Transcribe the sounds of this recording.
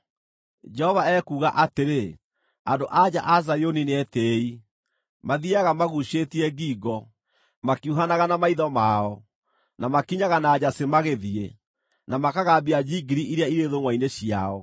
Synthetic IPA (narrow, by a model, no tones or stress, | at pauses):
d͡ʒɛhɔvaɛkuːɣaʔateɾe | andoʔad͡ʑa̰ʔazajonineɛtei | maðiaɣamaɣuɕetiɛɡiːɡɔ | makiuɦanaɣanamaiðɔmaɔ | namakiɲaɣanaːd͡ʑasemaɣeðie | namakaɣabiad͡ʑiɡiɾiʔiɾeaiɾeðoŋwaineɕiaɔ